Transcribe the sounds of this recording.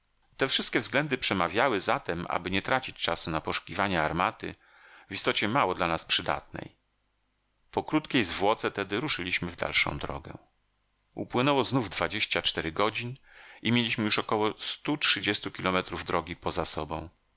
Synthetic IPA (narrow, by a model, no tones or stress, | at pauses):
t̪ɛfʂɘst̪kʲɛvzɡlɛnd̪ɘpʂɛmavʲjawɘzat̪ɛmʔa̰bɘɲɛt̪ɾat͡ɕit͡ɕt͡ʂasunapɔʂu̥kʲivaɲɛaɾmat̪ɘ̰ | vist̪ɔt͡ɕɛmawɔd̪lanaspʂɘd̪a̰t̪nɛ̰j | pɔkɾut̪kʲejzvwɔt̪sɛt̪ɛd̪ɘɾuʂɘlʲiɕmɘvd̪a̰lʂɔ̰̃w̃d̪ɾɔ̰ɡɛ̰ | ṵpwɘnɛwɔznuvd̪vad͡ʑeɕt͡ɕat͡ʂt̪ɛɾɘɡɔd͡ʑin | ʔimʲjelʲiɕmɘjuʂɔkɔwɔst̪utʂɘd͡ʑɛst̪ukʲilɔmɛt̪ɾuvd̪ɾʔɔɡʲipɔzasɔbɔ̰̃w̃